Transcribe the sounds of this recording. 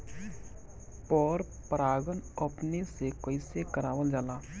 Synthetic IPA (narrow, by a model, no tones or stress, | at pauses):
pɔːɾ | pəɾaːɡənəpnesekəɪsekəɾaːwəld͡ʒaːlaː